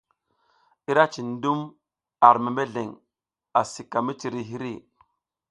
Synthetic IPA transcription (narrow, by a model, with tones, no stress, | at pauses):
i˦ɾa˦t͡ʃi˨n˦du˦m | a˨ɾme˨me˦ɮe˨ŋ | a˨si˨ka˨mi˦t͡ʃi˨ɾi˨ɦi˦ɾi˦˨